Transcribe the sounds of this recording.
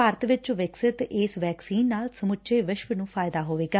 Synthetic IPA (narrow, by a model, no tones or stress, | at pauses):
aːɾət̪ʋɪt͡ʃʋɪksɪt̪ɪsʋɛːksiːnːaːlsəmʊt͡ʃːeːʋɪʃʋənũːpʰaːjɪd̪aːɦoːʋeːɡaː